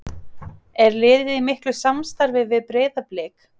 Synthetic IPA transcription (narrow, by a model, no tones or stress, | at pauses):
ɛɾlɪːðɪðimɪhklʏsamst̪aɾvɪvɪðpɾeːjðaplɛːk